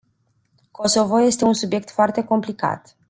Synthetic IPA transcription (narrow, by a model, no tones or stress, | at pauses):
kʰo̞so̞vo̞je̞st̪e̞unsubje̞k̚t̪foart̪e̞ko̞mplika̰t̪